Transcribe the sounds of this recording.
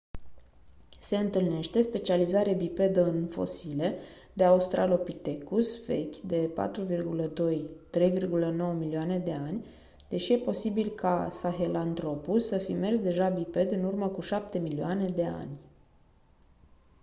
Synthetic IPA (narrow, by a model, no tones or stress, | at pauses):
se̞ɨnt̪ɨlne̞ʃt̪e̞spe̞t͡ʃializaɾeabipe̞d̪əɨnfo̞̰sile̞ | d̪eaust̪ɾʔalo̞pit̪e̞kusfe̞̰kʲd̪e̞pa̰t̪ɾuvirɡuləd̪o̞jt̪ɾe̞jvirɡuləno̞wəmilioane̞d̪e̞anʲ | d̪̥e̞ʃije̞po̞sibilkʰa̰saxe̞lant̪ɾo̞pulsəfḭme̞rsd̪e̞ʒabipe̞d̪ɨnurməkuʃapt̪e̞milioane̞d̪e̞a̰nʲ